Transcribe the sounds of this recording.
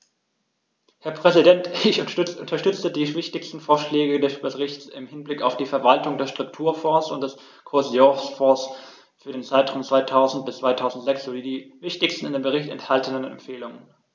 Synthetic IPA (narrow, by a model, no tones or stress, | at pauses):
hɛɐpʁ̥ɛzidɛntɪçʊt͡sʔʊ̰ntɐʃtʏt͡sədiːvɪçtɪçstn̩foːɐʃlɛːɡədɛsb̥əʁɪçt͡sɪ̰mhɪnblɪkaʊfd̥iːfɛɐvaltʊŋdeːɐʃtʁ̥ʊk̚tʰuːɐfɔ̃ːsʊnt̚d̥ɛs | kʰʊɐzjɔsfɔːs | fyːɐɾeːnt͡saɪtʁ̥aʊmt͡sv̥aɪtʰaʊzn̩t̚b̥ɪstt͡sv̥aɪtʰaʊzn̩tz̥ɛksz̥oːdiːdiːvɪçtɪçstn̩ɪndeːmbəʁɪçtɛ̰nthaltənənɛ̰mfeːlʊŋən